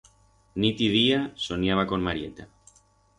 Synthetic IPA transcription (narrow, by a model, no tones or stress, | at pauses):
nit̪iðiasonjaβ̞akonmaɾjḛt̪a